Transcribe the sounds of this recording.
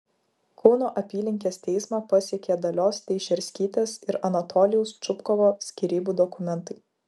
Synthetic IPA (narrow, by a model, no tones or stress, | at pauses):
koːnoːʔɐpʲiːlʲɪŋʲkʲeːst̪ʲɛɪsmɑpɐsʲɛkʲeːd̪ɐlʲoːst̪ʲɛɪʃʲɛɾʲsʲkʲiːt̪ʲeːsɪɾɐnɐt̪ʰɔːlʲɪjʊst͡ʃʊpkɔʋoːsʲkʲiːɾʲiːbuːd̪ɔkʊmʲɛnt̪ɐɪ